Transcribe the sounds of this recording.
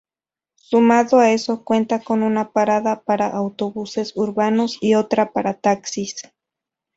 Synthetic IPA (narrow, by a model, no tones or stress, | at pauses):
sumaðoaesokwe̞nt̪akonunapaɾaðapaɾaʔawt̪oβusesuɾbanosiot̪ɾapaɾat̪aksis